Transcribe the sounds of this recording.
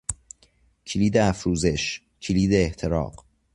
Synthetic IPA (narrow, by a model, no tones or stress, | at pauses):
cʰiliːd̪eæfɾuːzeʃ | cʰiliːd̪eːht̪ʰeɾɒ̰ːq